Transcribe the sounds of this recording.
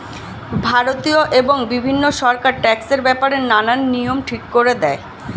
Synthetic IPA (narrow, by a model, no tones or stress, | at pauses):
bʱaɾot̪ioʔeboŋbibʱinːoʃɔɾkaɾʈɛkseɾbɛpaɾenananːijomʈʰikːoɾed̪ɛe